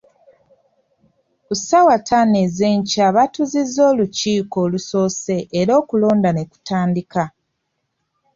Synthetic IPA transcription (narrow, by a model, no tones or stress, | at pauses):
usawatʰaneze̞ːɲcaβatuzizːo̞ːluciːko̞ːluso̞ːse̞ʔːɾo̞ːkulo̞ːndane̞ku̥taːndika